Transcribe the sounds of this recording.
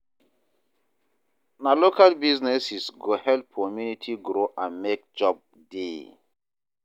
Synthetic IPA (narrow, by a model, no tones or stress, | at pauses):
nalokalbiznɛsisɡohɛltʰɔmjunitʰiɡɾoʔãnmek̚d͡ʒɔb̚ | de